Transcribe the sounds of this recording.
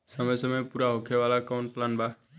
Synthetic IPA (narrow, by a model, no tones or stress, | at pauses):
səməjsəməjpuɾaɦokʰeʋalakawɳʈlanbʱa